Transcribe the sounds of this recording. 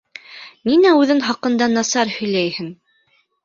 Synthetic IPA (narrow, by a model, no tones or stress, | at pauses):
ninæʉðɘŋχɑqɤ̆nd̪ɑnɑsɑɾhɵ̆jlæjhɘn